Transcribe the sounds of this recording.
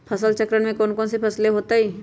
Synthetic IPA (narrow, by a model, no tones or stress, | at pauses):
pʰɐsəlt͡ʃəkɾəɽ̃mẽkoːnkoɔːnsepʰɐsleɦoːt̪aɦiː